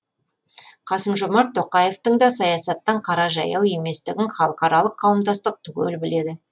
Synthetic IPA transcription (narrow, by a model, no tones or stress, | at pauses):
qʰɑsəmʒo̞mɑɾt̪ʰːo̞qɑje̞ft̪əɴd̪ɑsɑjɑsɑt̪ːɑɴqʰɑɾɑʒɑ̰jɑwe̞me̞st̪ɪɡʲɪɴχɑlˠəqɑɾɑlˠəqʰːɑwəmd̪ɑst̪əq̚t̪ʰʏɡʲɵ̰lbɪle̞d̪ɪ